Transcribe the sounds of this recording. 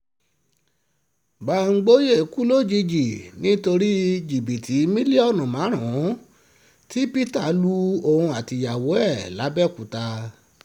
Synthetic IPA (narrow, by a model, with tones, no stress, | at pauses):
ba˧˨ŋ̩˧˦ɡ͡bo˦je˦˨ku˦lo˦˨d͡ʒi˧d͡ʒi˨nĩ˦to˧ɾi˦d͡ʒi˨bi˨tʰi˨˦mĩ˦li˦ɔ˦˨nɔ̃˨mã˨˦ɾ̃ã˨˦ | ti˦pi˦ta˦˨˦lu˧o˨hũ˧a˨ti˨ja˨wo˨˦ɛ˦˨la˨˦bɛ˦˨ku˨ta˧